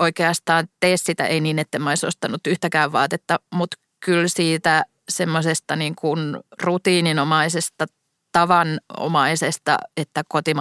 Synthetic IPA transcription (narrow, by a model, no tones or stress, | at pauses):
oikeɑst̪ɑːnt̪eːssit̪æ̰ʔeiniːnet̪ːemːæoiso̰st̪ɑnut̪ːyht̪ækæːʋʋɑ̰ːt̪et̪ːɑmut̪ | kylsiːt̪æ | semːosest̪ɑniːŋkunrut̪iːninomɑisest̪ɑ | t̪ɑʋɑno̰mɑisest̪ɑ̰et̪ːækot̪im